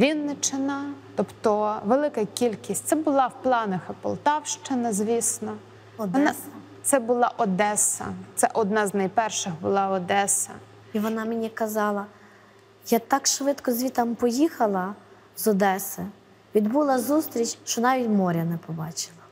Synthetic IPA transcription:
ʋʲinːɪt͡ʃɪnɐt̪ɔpt̪ɔʋelˠɪkɐkʲilʲkʲisʲtʲt̪sɛbʊlˠɑwplˠɑnɐxɪpɔ̰lˠt̪ɑwʃt͡ʃɪnɐzʲʋʲisnɔ | ɔd̪nɐ | t̪sɛbʊlˠɑʔɔd̪ɛsɐ̰t̪sɛʔɔd̪nɑznɐjpɛrʃɪɣbʊlˠɑɔd̪ɛsɐ | iʋɔnɑmenʲikɐzɑlˠɐ | jat̪ɑkʃʋɪt̪kɔzʲʋʲit̪ɑmpɔjixɐlˠɐ | zɔd̪ɛsɐ | ʋʲid̪bulˠɐzust̪ɾʲit͡ʃʲʃt͡ʃɔnɑʋʲitʲmɔɾʲɐnɛpɔbɑt͡ʃɪ̥lˠɐ

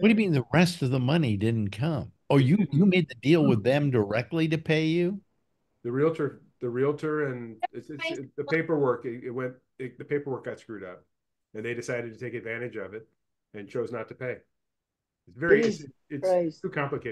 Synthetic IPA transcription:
wʌɨjmĩnðɨɹɛstʌvðəmʌnidɪdⁿn̩kʰʌ̃m | ojɨjɨmeɪd̪̚ðɨdilˠwɪðɨ̃mdə˞ɛk̚tˡliɾɨpʰeɪjʉ | ðɨɹilˠtʰə˞ | ðɨɹilˠtʰə˞ɨ̃nɪsɨðɨpʰeɪpə˞wɜ˞kɪɪt̚wɛ̃n | ɪðɨpʰeɪpə˞wɜ˞k̚ɡ̥ɑtskɹʉɾʌ̰p̚ | ɨ̃nðeɪɾɨsaɪɾɨd̚tʰɨtʰeɪkɨdvæ̃ɾ̃ɨd͡ʒʌvɨt̚ | ɨ̃nt͡ʃʰoʊznətʰɨ̥pʰeɪ | ɨtsvɛɹiɨtʰʉkʰɑ̃mplɨkʰeɪ

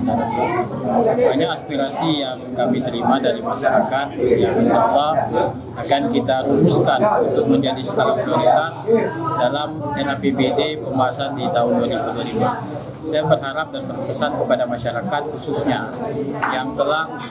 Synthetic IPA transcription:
haɲaːspiɾasijaŋkamit̪əɾimadaɾimaʃaɾakat̪̚jaŋdisaba | akankit̪aɾubuskanunt̪ʊk̚məɲd͡ʒadisək̪alapɾioɾit̪asdalamɛnafebedepəmbaɦasandit̪aɦʊndualibuduwaɾibu | sajaupat̪̚haɾap̚danpərpəsankəpadamaʃaɾakat̪̚hususɲajaŋt̪əlah

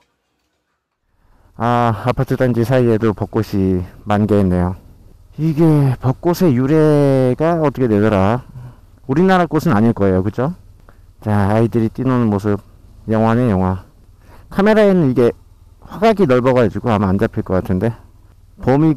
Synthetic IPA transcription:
aapʰatʰɯdand͡ʑisʰaie̞dopʌk͈oɕʰimanɡeɦenːe̞jo | iɡe̞pʌk͈̚osʰe̞juɾe̞ɡaʌt͈ʌkʰedwe̞dʌɾa | uɾinaɾak͈osʰɯnaɲiɭk͈ʌe̞jokɯd͡ʑo | t͡ɕaaidɯɾit͈inonɯnmos̬ʰɯb̚jʌŋɦwanejʌŋɦwa | kʰame̞ɾae̞nɯniɡe̞ | waɡaɡinʌɭbʌɣad͡ʑiɡoamaand͡ʑapʰiɭk͈ʌk͈atʰɯnde̞ | pomi

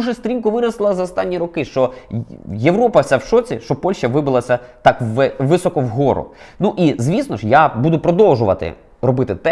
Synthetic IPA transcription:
ʒɛsʲt̪ɾʲinkʊʋɪɾɐslˠɐzɐɔst̪ɑnʲːiɾɔkɪʃt͡ʃɔ | jeʋɾɔpɐwsʲawʃɔt͡sʲḭʃt͡ʃɔpɔlʲʃt͡ʃɐʋɪbɪlˠɐsʲɐt̪ɑkːɪʋɪsɔkɔʋɦɔɾʊ̰nuʔizʲʋʲisnɔʃjabud̪ʊpɾɔd̪ɔwʒʊʋɐt̪ɪ̰ | ɾɔbɪt̪ɪt̪ɛ

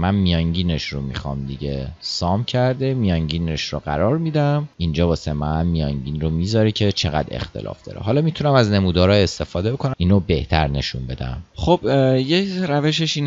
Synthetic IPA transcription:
mænmijɒŋɟiːneʃromixɒ̰ːmd̪iɟesɒːmcʰæɾd̪emijɒŋɟiːneʃroɢæ̰ɾɒːɾmid̪æmind͡ʒɒːbɒːsemæɣæmːijɒŋɟiːnromiːzɒːɾecʰet͡ʃʰe̞ɣæ̰d̪e̞̰xt̪ʰe̞̰lʔɒ̰ːfd̪ɒ̰ːɾḛɦɒːlɒːmiːt̪ʰunæmæzne̞muːd̪ɒːɾɒːest̪e̞fɒːd̪ebo̞kʰonæiːnobe̞ht̪ʰæɾne̞̰ʃunbe̞d̪æ̰mxob̥jeɾæveʃ̬eʃiːn

